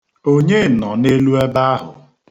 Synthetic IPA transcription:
o˦ɲe˦˨nɔ˨ne˦lu˦e˦ba˦a˦ɦʊ̰˨

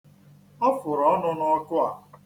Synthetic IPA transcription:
ɔ˦fʊ˨ɾɔ˨˦nʊ˦nɔ˦ɔ˦kʊ˦a˨

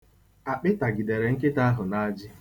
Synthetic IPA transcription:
a˨k͡pɪ˦ta˨ɡi˨de˨ɾe˨ŋ̩˦k̬e˦ta˦ɦʊ˨na˦d͡ʒɪ˦

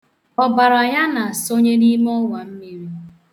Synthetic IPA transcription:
ɔ˨ba˨ɾa˨ja˦na˨a˨so˦ɲe˦ni˦m˦ɔ˦wa˨m̩˦mi˨ɾi˦

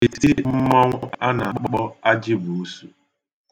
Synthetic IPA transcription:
i˨si˦m̩˦mɔ˦ŋʷ˦a˦na˨k͡pɔ˦k͡pɔ˦k͡pɔ˦a˦d͡ʒɪ˦bu˨u˦su˨

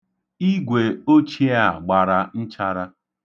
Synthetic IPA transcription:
i˦ɡʷe˨o˦t͡ʃi˦a˦˨ɡ͡ba˨ɾa˨n̩˦t͡ʃa˦ɾa˦

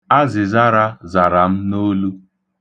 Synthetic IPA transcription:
a˦zɪ˨za˦ɾa˦za˨ɾa˨m̩˦no˦lu˦

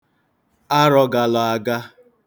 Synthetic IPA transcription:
a˦ɾɔ˨ɡa˨lɔ˨a˨ɡa˦

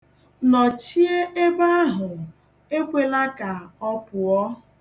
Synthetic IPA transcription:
nɔ˨t͡ʃi˦e˦e˦ba˦a˦ɦʊ˨ | e˦kʷe˨la˦ka˨ɔ˦pʊ˨ɔ˦

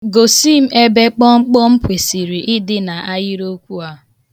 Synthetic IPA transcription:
ɡo˨si˦˨m̩˦e˦be˦k͡pɔ˦ŋ͡m̩˦k͡pɔ˦ŋ͡m̩˦pe˨si˨ɾi˨ʔɪ˦dɪ˦na˨ʔa˦jɪ˦ɾo˦kʷu˦a˦

